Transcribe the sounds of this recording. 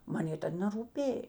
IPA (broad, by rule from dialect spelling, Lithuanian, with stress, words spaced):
ˈmɐn ˈjeː ˈtɐt nʲɛruːˈpʲeːj